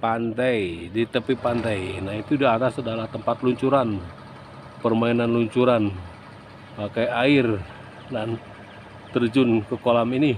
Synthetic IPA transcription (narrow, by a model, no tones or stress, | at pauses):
pant̪ajdit̪əpepant̪ajnahit̪udaat̪asadalaht̪əmpat̪luɲt͡ʃuɾan | pərmainanluɲt͡ʃuɾan | pakajaɪr | dan | t̪ərd͡ʒʊnkəkolamini